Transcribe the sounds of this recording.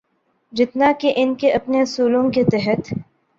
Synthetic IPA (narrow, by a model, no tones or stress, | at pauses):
d͡ʒɪt̪nakeʔɪnkeʔɐpneɐsuːlõket̪ɛɦət̪